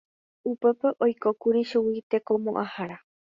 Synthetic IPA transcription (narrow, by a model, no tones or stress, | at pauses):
upe̞peʔojkokuɾiʃuwit̪e̞ko̞mõ̰ʔahaɾa